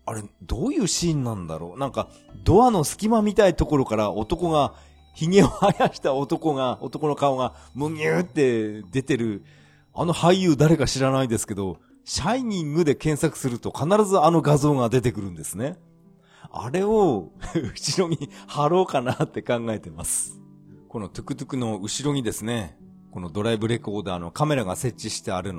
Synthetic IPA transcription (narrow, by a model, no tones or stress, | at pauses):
aɾe̞d̪o̞ːjɯ̟ːɕĩːnːãnd̪a̰ɾo̞̰ːnãŋka | d̪o̞ano̞sɨ̥kʲimamʲit̪ait̪o̞ko̞ɾo̞kaɾao̞t̪o̞ko̞ɡa | çiŋe̞ohajaɕi̥t̪ao̞t̪o̞ko̞ŋaot̪o̞ko̞no̞kaoŋamɯɲʲɨːt̪ːe̞d̪e̞t̪e̞ɾɯ̟ | a̰no̞haiːɯ̟ːd̪aɾe̞kaɕiɾanaid̪e̞sɨ̥ke̞d̪o̞ | ɕaiɲ̟ĩŋɡɯ̟d̪e̞kẽ̞ɰ̃sakɯ̟̥sɨɾɯ̟t̪o̞kanaɾazɨano̞ɡazo̞ːŋad̪e̞t̪e̞kɯ̟ɾɯ̟̃nd̪e̞sɨne̞ | a̰ɾe̞o̞ɯɕiɾo̞ɲ̟ihaɾo̞ːkanat̪ːe̞kãŋɡae̞t̪e̞masɨ̥ | ko̞no̞t̪ɯ̟̥kɯ̟t̪ɯ̟kɯ̟no̞ɯ̟ɕiɾo̞ɲ̟id̪esɨne̞ | kono̞d̪o̞ɾaibɯ̟ɾe̞ko̞ːd̪aːno̞kame̞ɾaɡase̞t͡ɕːiɕi̥t̪e̞aɾɯ̟no